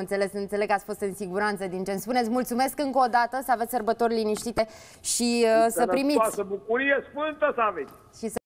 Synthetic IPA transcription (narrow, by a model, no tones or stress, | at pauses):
ɨnt̪se̞le̞sɨnt̪se̞leɡkːat̪sʲfo̞st̪ɨnsiɡuɾant̪səd̪int͡ʃe̞nspunet̪sʲmult̪sume̞skɨŋkoːd̪at̪əsəavet̪ʲsərbət̪o̞rʲliniʃt̪it̪e̞ | ʃiəsəpɾimiasəbukuɾijesfɨnt̪əsəavet̪sʲ | ʃis